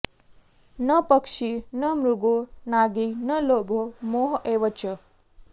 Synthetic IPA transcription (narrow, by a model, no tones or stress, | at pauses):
nəpəkʃinəmɾuɡonaɡinəlobʱomoɦʔeʋət͡ʃə